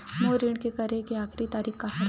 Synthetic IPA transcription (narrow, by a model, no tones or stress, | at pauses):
moːɾɪɳkekɐɾekiaːkʰɾit̪aːɾiːkkaɦɐɾ